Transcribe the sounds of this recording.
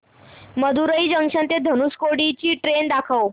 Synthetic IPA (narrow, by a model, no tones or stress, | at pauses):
məd̪uɾəiːd͡ʑəŋʂə̃nt̪ed̪ʱənuskoɽit͡ɕiːʈɾend̪akʰaw